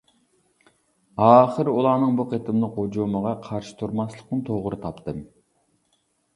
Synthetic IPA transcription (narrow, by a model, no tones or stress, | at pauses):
ɑːχəɾulˠɑɾnɨŋbuqʰet̪ʰɨmlˠəqod͡ʒoməʁɑqʰɑɾʃi̥t̪ʰuɾmɑslˠəqnɨŋt̪ʰoʁɾɨt̪ʰɑpt̪ʰɨm